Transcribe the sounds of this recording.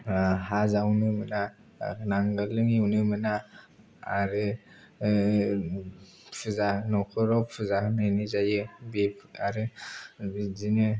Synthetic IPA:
hazawnɯmɯna | naŋɡalɯŋiwnɯmɯnaː | ɾɯ | pʰɯzanɔkʰɯɾɔpʰɯzahnɯnizajɯbipʰaɾɯ | zinɯ

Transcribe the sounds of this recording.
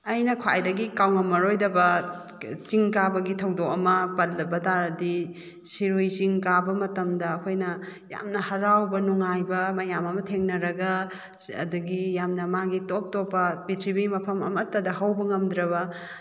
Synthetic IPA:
ɐjnɐkʰa̰jdɐɡikawŋɐmɐɾojdɐbɐ | t͡ʃiŋkabɐɡitʰɐwdokɐmɐpɐlːɐbɐtaɾɐdi | siɾujsiŋkabɐmɐtɐmdɐːkʰojnɐja̰mnɐhɐɾawbɐnuŋajbɐmɐjamɐmɐtʰeŋnɐɾɐɡɐ | ɐ̰duɡijamnɐmaɡitop̚topːɐpitʰɾibimɐpʰɐmɐ̰mɐtːɐdɐhɐwbɐŋɐmdɾɐβɐ

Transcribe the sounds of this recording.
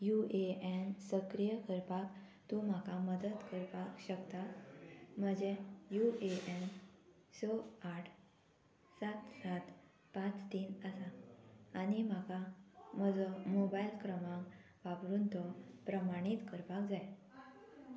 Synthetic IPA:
jueensəkɾijəkəɾpak | t̪ũm̤akaməd̪əd̪kəɾpakɕəkt̪a | m̤əd͡ʑejueʔen | sɔaʈʰ | sat̪sat̪ | pãt͡st̪iːnəsaː | nimakam̤əd͡zɔmobailkɾəmãŋk | ʋapɾuːnt̪ɔpɾəmaɽ̃it̪kəɾpak̚d͡zaj

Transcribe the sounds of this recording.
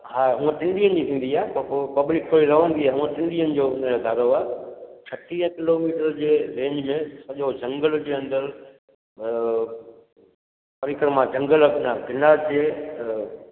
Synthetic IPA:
haːɦũə̃ʈɪ̃ɳɖiːənɪ̆d͡ʑit̪ʰĩːn̆d̪iaːɦeppɐblɪkt̪ʰoːɽiɾɐʋə̃nd̪iaːɦũːə̃ʈɪ̃ɳɖiənɪ̆d͡ʑoːnod̪ʱaːɾoaːt͡ɕʰɐʈiə̃kɪloːmiːʈəɾd͡ʑeːɾẽːɲd͡ʑmẽsɐʄod͡ʑɐ̃ŋɡəld͡ʑeːɐ̃nd̪əɾ | pɐɾɪkɾəmãd͡ʑɐ̃ŋɡəlnaɡɪnaːd͡ʑeː

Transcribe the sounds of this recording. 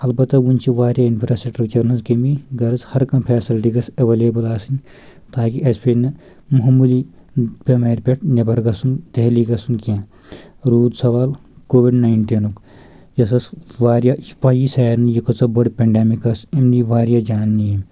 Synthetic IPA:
ɐlbɐt̪ːɐʋunʲt͡ʃʰiʋaːɾjaːinpʰɾaːsekʈɾɐkt͡ʃɐɾnɐzkemiɡɐɾɐzhɐɾkɐmpʰeːsilʈiɡɐsɐʋeːleːbɐlaːsinʲ | t̪aːkiʔɐspeːnɐ | muɦmːulipʲemeːɾpʲeʈʰnʲɐbɐɾɡɐsund̪ɐɦliɡɐsunkiãː | ɾuːd̪sɐʋaːlkoːʋiɖnaːiɳʈiːnuk | d͡ʒɐs̬ɐsʋaːɾjaːspaːjisaːɾnjikɐt͡sɐbɐɽpʲeɳɖeːmikɐsimniʋaːɾjaːd͡ʒaːnːii

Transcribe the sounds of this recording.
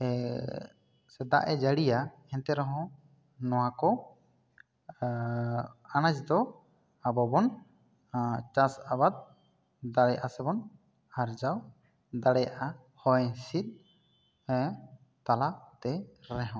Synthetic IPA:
sɛd̪a̰ʔɛd͡ʒaɽija | ɛ̃nt̪ɛɾɔɦɔ̃ | nɔwãkɔ | anãd͡ʒd̪ɔ | abɔbɔn | t͡ʃasabad̪̚ | d̪aɽɛjaʔasɛbɔn | aɾd͡ʒaw | d̪aɽɛjaʔa | hɔjsit̪̚ˀ | t̪alat̪ɛɾɛɦɔ̃

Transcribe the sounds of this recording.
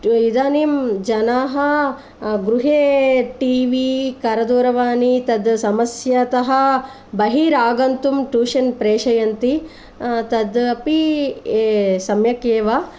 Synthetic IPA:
id̪aːniːmd͡ʒɐnaːɦɐ | ɡɾuɦeːʈiːʋikɐɾɐd̪uːɾɐʋaːnit̪ɐd̪sɐmɐsjɐt̪ɐɦɐ̆ | bɐɦiːɾaːɡɐnt̪umʈuːʃɐnpɾeːʂɐjɐnt̪i | t̪ɐd̪ɐpieːsɐmjɐkeːʋa

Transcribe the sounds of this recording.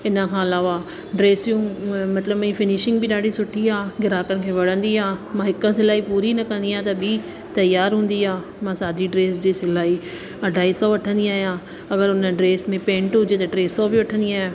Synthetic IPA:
ɪnəkʰãːɐlaːʋa | ɖɾeːsijũmɐt̪ləbmĩfɪnɪʃɪ̃ŋɡbɪɗaːɖʱisʊʈʰiaːɡɪɾaːkənɪ̆kʰeːʋɐɽ̤ə̃nd̪iaːmãɦɪkə̃s̬ɪlaːipuːɾinɐkɐ̃nd̪iãt̪ɐbʱɪ | t̪ɐjːaːɾɦũːn̆d̪iaː | mãːsaːd̪iɖɾeːsd͡ʑiːsɪlaːi | ɐɖʱaːisɔːʋɐʈʰə̃nd̪iaːɦjãː | ɐɡəɾʊnəɖɾeːsmẽpẽːɳʈɦʊd͡ʑet̪ɐɖɾeːsɔːbɪʋɐʈʰə̃nd̪iaːɦe

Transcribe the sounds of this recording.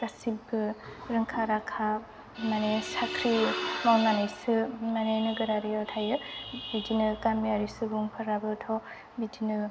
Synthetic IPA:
kasibɯɾɯŋkʰaɾakʰa | manesakʰɾimawnanɯsɯmanenɯɡɯɾaɾiɔtʰajɯbidinɯkamiaɾisɯbuŋpʰaɾabɯtʰɔ | bidinɯ

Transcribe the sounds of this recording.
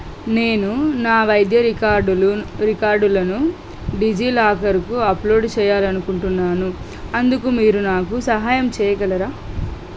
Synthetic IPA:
ne̞ːnunaːʋɐjd̪jɐɾiaɖɾikaːɾɖulɐnu | ɖid͡ʒiːlaːkɐɾikuɐplo̞ːɖt͡ʃɛːjaːlɐnukuɳʈunːaːnu | ɐnd̪ukumiːɾunaːkusɐɦaːjɐmt͡ʃɛːjɐɡɐlɐɾaː

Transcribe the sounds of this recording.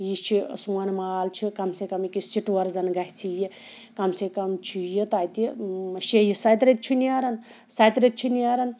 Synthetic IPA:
jit͡ʃʰisuwɐnmaːlt͡ʃʰikɐmsekɐmikisiʈʋɐɾzɐnɡɐɦʲit͡sʰiji | kɐmsekɐmt͡ʃʰijit̪aːjt̪iʃejisɐjt̪ɾet̪̚t͡ʃʰiniaɾɐn | sɐjt̪ɾet̪̚t͡ʃʰiniaɾɐn

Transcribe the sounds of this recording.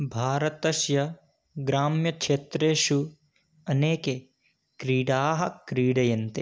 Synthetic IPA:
bʱaːɾɐt̪ɐʃjɐ | ɡɾaːmjɐkʂeːt̪ɾeːʃu | ɐneːke | kɾiːɽaːɦɐ̆kɾiːɽɐjɐnt̪e

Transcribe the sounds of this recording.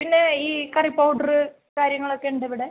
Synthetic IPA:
pinːe̞iːkɐripːɐwɖɐrɨ | kaːɾjɐŋːɐɭo̞kːe̞uɳɖeʋiɽe

